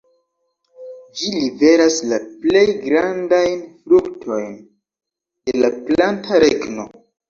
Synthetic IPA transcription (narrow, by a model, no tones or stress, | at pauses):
d͡ʒilibe̞ɾaslaple̞jɡɾandajnfɾuktʰo̞jn | delaplantʰaɾe̞ɡno̞̰